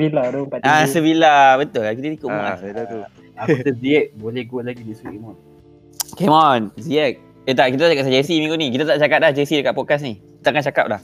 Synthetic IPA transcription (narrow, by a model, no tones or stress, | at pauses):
biladopaasəbilabət̪ʊlakit̪at̪ikʊʔmaaa | apat̪əziɛk̚bolɛhɡolaɡidisukemɔn | kemɔnziɛk̚ | ət̪aʔkit̪̬at̪akasad͡ʒəsimĩŋɡuʔnik̬it̪at̪aʔt͡ʃakap̚lahd͡ʒəsidəkaʔ̪pɔd̚kas̬ni | it̪aʔŋant͡ʃaka̰p̚lah